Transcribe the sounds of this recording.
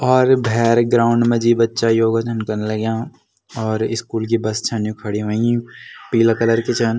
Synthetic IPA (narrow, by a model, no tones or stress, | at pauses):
ɔːɾbʱɛːɾɡɾaːʊ̃ɳɖmẽd͡ʒibɐtːʃajoːɡad͡ʒɐnkɐɾnelɐɡjãː | ɔːɾɪskuːlk̬ibɐst͡ʃʰɐnjũkʰɐɽiʋaipiːlakɐləɾkit͡ʃʰɐn